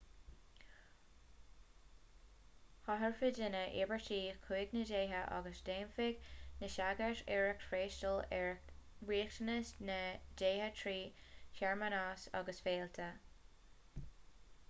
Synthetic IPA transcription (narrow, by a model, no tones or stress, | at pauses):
hɔɦəɹfɪdɪnəʔɪ̰bəɹtiːkʰuːɡnədeːɦəʔa̰ɡəsdeːmfɪɡnəʃaɡəʃɛɹəkfɾeːʃtəlɛɹwiːxtənəsnəd͡ʒeːhət̪ʰɹiːçɛɹmənaɑːsɑ̰ɡəsfeːlt̪ʰə